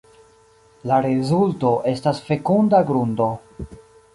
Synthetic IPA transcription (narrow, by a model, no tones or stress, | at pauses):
laɾezulto̞ʔe̞stasfe̞kundaɡɾundo̞